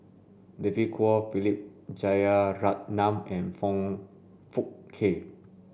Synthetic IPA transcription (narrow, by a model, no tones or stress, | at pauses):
dɛvikʰuɔfilip̚d͡ʒajəɹat̚nãmɛ̃nfɔ̃ŋ | fuk̚kʰːe